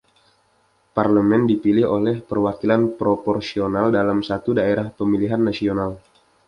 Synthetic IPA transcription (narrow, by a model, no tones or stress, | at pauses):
parləmɛndipilɪholɛhpərwakilanpɾopɔrsionaldalamsat̪udaeɾahpəmiliɦanːasional